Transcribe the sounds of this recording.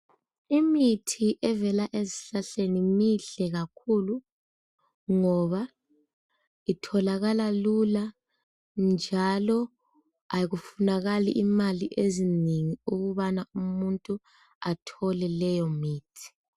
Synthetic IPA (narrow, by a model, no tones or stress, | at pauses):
imitʰiʔɛvɛlaʔeziɬaɬenimiɬɛɣakʰulu | ŋɔβa | itʰɔlaɣalalula | nd͡ʒʱalɔ | ajiɣufunaɣaliʔimaliʔezineŋiuɣuβanaumuntʼu | atʰɔlɛlɛjɔmiːtʰi̥